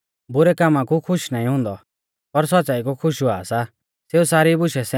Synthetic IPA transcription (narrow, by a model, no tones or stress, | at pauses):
bʊɾɛkamãkukʰʊʃnaːĩɦʊ̃ːnd̪ɔ | pɐɾs̬ɔtt͡saːikukʰʊʃuaːsa | seːusaːɾibʊʃɛsɛ